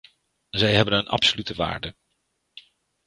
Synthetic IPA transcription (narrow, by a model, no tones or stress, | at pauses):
zɛjɦɛbənənʔɑ̰psolytəʋa̰ːɹdə